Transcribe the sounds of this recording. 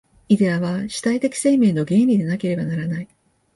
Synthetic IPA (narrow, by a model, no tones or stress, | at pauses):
id̪e̞aβaɕi̥t̪ait̪e̞kʲi̥se̞ːmẽ̞ːno̞ɡẽ̞ːɾʲid̪e̞nake̞ɾe̞banaɾanai